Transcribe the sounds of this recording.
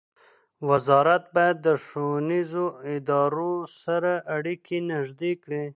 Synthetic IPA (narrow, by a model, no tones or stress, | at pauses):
wazɑɾat̪̚bɑjad̪ːəʂonizoɪd̪ɑɾosaɾaʔːɽikʰinaʒd̪ekɽe